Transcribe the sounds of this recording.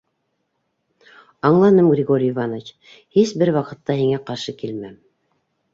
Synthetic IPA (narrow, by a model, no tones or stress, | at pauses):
ɑɴlˠɑnɤmɡrʲɪɡoɾʲɪjvanət͡ɕ | hisbɘɾwɑqɤ̆t̪ːɑhiŋæqɑɾʃɤkilmæm